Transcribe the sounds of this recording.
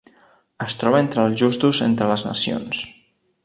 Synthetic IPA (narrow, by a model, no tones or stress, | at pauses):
əst̪ɾɔβəent̪ɾəlˠʒust̪uzḛnt̪ɾələznə̰sio̰ns